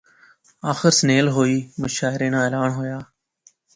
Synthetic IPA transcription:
aːxɪɾsneːlɦoːiːməʃaːɪɾẽːnãːeːlaːnɦoːjaː

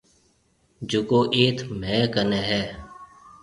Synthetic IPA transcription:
d͡ʒʊkoːʔeːt̪ʰmɛ̃ːkənɛːɦɛː

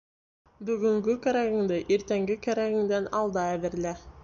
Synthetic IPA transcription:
bɵ̆ɡɵ̆ŋɡɘkæɾæɣɘ̆ŋd̪ɘʔeɾt̪æŋɡɘkæɾæɣɘ̆ŋd̪ænɑlˠd̪ɑæβɘ̆ɾlæ

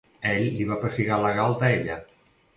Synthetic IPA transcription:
ɛʎliβapɾosiɣalaɣalˠt̪aeʎa

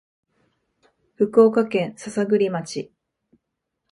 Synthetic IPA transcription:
ɸɯ̟ko̞ːkakẽ̞ɰ̃sasaɡɯ̟ɾʲimat͡ɕi

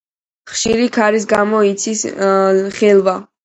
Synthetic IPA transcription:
χʃiɾikʰaɾis̬ɡamɔit̪sʰis | χɛlˠva

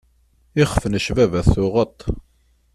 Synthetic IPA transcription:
ɪχfənəʃvævæθʊʁət̪ˤː

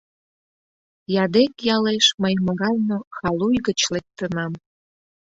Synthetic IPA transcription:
jɑd̪ekjɑleʃməjməɣɑlnoxɑlujɣət͡ɕlek̚t̪ənɑm

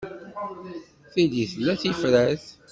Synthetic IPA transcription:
θiliθlːæθifɾæθ

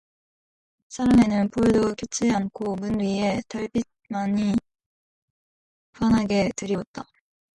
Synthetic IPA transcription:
sʰaɾame̞nɯnpoɯdokʌt͡ɕʰiankʰomunɥie̞taɭbit̚maɲi | ɸwanɦaɡe̞tɯɾiwʌt̚t͈a

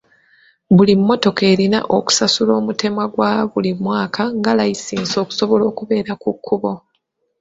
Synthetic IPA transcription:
βulimːo̞to̞ke̞ːɾina̰ʔo̞ku̥sasulo̞ːmute̞mwaɡwaβulimwaːkʰaŋɡalajisiːnzo̞ːku̥so̞βo̞lo̞ːkuβe̞ːɾakukːuβo̞

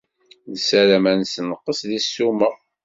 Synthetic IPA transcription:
ðsælæmænsənəqːəsðisːumə

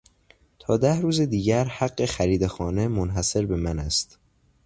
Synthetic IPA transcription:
t̪ʰɒːd̪æhɾuːzed̪iːɟæɾhæɡːe̞xæɾiːd̪exɒːne̞monɦæse̞ɾbe̞mænæst̪

